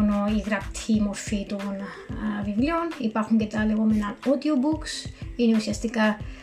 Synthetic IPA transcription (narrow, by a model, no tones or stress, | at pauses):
noiɣɾɐpt̪ʰimoɾfit̪oɣonɐ | vivlionipaxuŋket̪aleɣo̞menanod̪jobuksineusiɐst̪ikɐ